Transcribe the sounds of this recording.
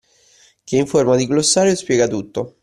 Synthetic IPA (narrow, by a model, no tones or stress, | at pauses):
k̟eiɱformad̪iɡlosːaːɾjospjɛːɡat̪ut̪ːo